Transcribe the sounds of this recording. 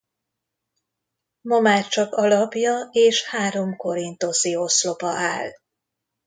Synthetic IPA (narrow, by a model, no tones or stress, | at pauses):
momaːt͡ʃɒkɒlɒpjɒeːʃhaːɾo̞mko̞ɾint̪o̞sioslo̞pɒʔaːl